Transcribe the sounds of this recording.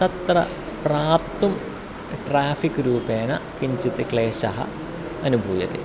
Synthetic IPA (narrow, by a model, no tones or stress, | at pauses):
t̪ɐt̪rɐ̰ | praːpt̪um | ʈraːfikːɨɾuːpeːɳɐkimt͡ɕit̪ːikɭeːɕɐɦɐ̰ | ɐnubʱuːjɐt̪ḛ